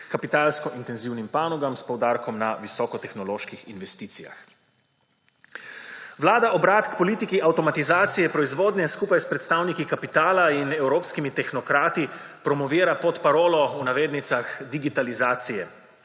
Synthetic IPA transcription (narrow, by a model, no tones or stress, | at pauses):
kapit̪aːlskɔʔint̪ɛnziwnimpaːnɔɡamspɔwd̪aːɾkɔmnaʋisɔːkɔt̪ɛxnɔloːʃkixinʋɛst̪iːt̪sija̰x | ʋlaːd̪aʔɔbɾaːt̪kpɔliːt̪ikiʔawt̪ɔmat̪izaːt̪sijɛpɾɔizʋoːd̪nʲɛskuːpajspɾɛt̪st̪awnikikapit̪aːlainɛwɾoːpskimit̪ɛxnɔkɾaːt̪i | pɾɔmɔʋiːɾapɔt̪paɾoːlɔunaʋeːd̪nit̪saxd̪iɡit̪alizaːt̪sijɛ